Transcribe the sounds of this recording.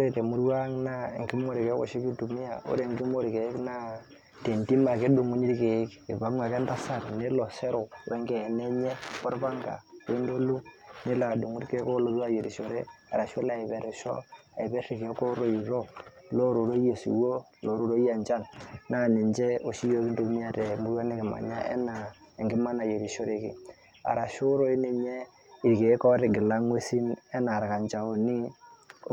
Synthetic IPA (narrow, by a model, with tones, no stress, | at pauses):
ɾe˦˨te˨mu˦ɾwa˦ŋna˦ḛ˨ŋki˦mo˦ɾi˨ke˨˦ko̰˦ʃi˦ki˦du˨mi˦ja̰˨ṵ˦ɾe˦˨ŋɡi˦mo˦ɾke˨˦kna˦ | te˨nti˦ma˨ke˦du˨ŋu˦ni˦ɾke˨˦ki˨ba˦m˦ɡa˨ke˦n˦ta˦sa˨ɾne˦lo˨se˦ɾo˨wʔḛ˦ŋɡe˨ne˦ɲe˦ko˦ɾba˦ŋɡa̰˨we˦n˦do˦lu˦ne˦la˨du˨ŋu˦dke˦ko˦lo˦bwa˦je˨ɾi˨ʃo˨ɾe˦ | a̰˨ɾa˨ʃo˦la˨i˨be˨ɾe˨ʃo̰˦a˨i˨be˦ɾi˨ke˨˦ko˦ɾo˦i˨ɾo˦lo˦ɾu˨ɾo˦je˨sḭ˨wo˦ | lo˨ɾu˨ɾo˦a˨nd͡ʒa˦nna˦˨ni˨ɲd͡ʒe˦o˨ʃi˦jo˦ki˦n˦do˦mi˦a˦te˨mbu˦a˦ne˦ki˨ma̰˨ɲa̰˦ʔḛ˦na˨ | e˨ŋɡi˦ma˦na˨je˨ɾi˨ʃo˦ɾe˦kḭ˨ | a̰˨ɾa˨ʃu˦ɾo˦i˦ne˨ɲe˦ | i˨ɾke˨˦ko˦ɾi˨ɡi˨la˦ŋwe˦si˦ne˦na˨ɾka˨nd͡ʒa˨o˨ni˦